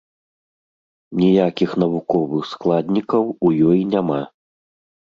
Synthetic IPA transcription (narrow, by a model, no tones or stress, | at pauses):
nʲijakʲixnɐvukɔvɨxsklˠad̪ʲnʲikɐwujɔjinʲama